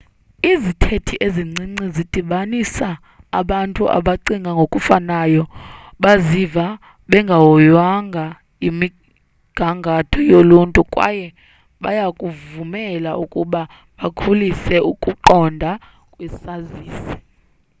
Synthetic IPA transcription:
izitʰetʰiʔeziŋ͡ǀiŋ͡ǀizid̥ʼʱiɓanisaː | ɓantʼuʔa̰ɓaǀiŋɡʱaŋɡʱokʼufanajɔ | ɓaziva | ɓɛŋɡʱawɔjwaŋɡʱa | imi | ɡ̥ʱaŋɡʱatʰɔjoluntʼukʼwa̰jɛ | ɓajakʼuvumɛlaʔukʼuɓa | ɓakʰulisɛukʼuǃɔndʱa | kʼwɛsaziːsi̥

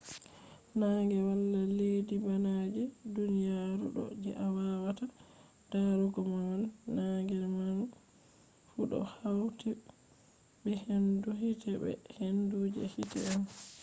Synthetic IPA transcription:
naːŋɡɛwalːaledibanad͡ʒɛdunijaɾṵɗɔ̰d͡ʒɛ̰ʔawawata | d̥aɾuɡɔmawanːaŋɡɛɾman | fuɗɔ̰hawti | bɛhenduɦitʰɛbɛ̰henduːd͡ʒɛ̰hitɛ̰an

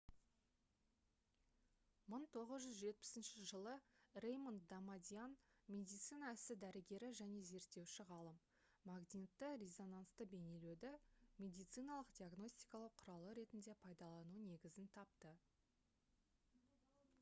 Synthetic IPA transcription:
məɴt̪ʰo̞ʁəzʒʏzʒe̞t̪̚pɪ̥sɪnʃɪʒəlˠərejmont̪d̪amad̪ʲijanmʲe̞d̪ijt̪sɨjnɑɪsɪd̪æɾɪɡʲe̞ɾɪʒæne̞ze̞ɾt̪ːe̞wʃɪʁɑlˠəmː | aɡnʲit̪ːɪɾʲezo̞nanst̪əbe̞ne̞led̪ɪmʲe̞d̪ijt̪sɨjnɑlˠəqd̪ʲiaɡno̞sʲt̪ʲijkɑlˠəqqʰːʊɾɑlˠəɾe̞t̪ɪnd̪e̞pʰɑjd̪ɑlˠɑnune̞ɡʲɪzɪnt̪ʰɑp̚t̪ə

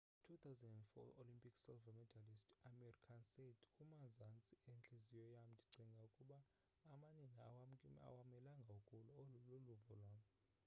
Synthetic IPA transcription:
tʰut̪ʰawzandɛndfɔ̰olimpʼiksɛlvamɛdʰalistamɛrikʰansetʰkʼumazant͡sʼient͡ɬʼizijɔjam̩dʰʱʼi̥ǀʱiŋɡʱaukʼuɓaː | maniŋɡʱia̰waa̰wamɛlaŋɡʱakʼulɔloluvɔlwam

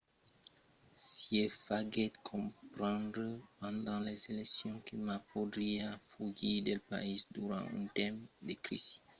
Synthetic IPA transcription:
siefaɡɛd̪kʰɔ̃pɾɑ̃d̪ɾəpɑ̃d̪ɑ̃lɛzelɛksjɔ̃kilmapod̪ɾiafuɡid̪elpa̰isd̪uɾɑ̰̃ỹ̰t̪ɛ̃md̪ekɾḭsi̥

